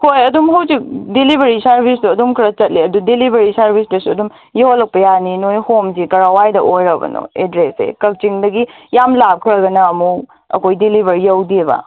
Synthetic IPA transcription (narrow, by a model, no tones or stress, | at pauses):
kʰojɐdumɦɐwsik̚dilibʱɐɾisɐɾbʱisduɐdumkʰɾɐt͡ʃɐt̚liɐdudilibʱɐɾisɐɾbʱisdɐsuɐdum | jowɐlɐk̚pɐjaninojhomzikɐɾawajdɐʔojɾɐbɐ̰no̰edɾesḛkɐk̚t͡ʃiŋdɐɡijamlap̚kʰɾɐɡɐnɐːmu | ɐ̰kʰojdilibʱɐɾijɐwdibɐ̰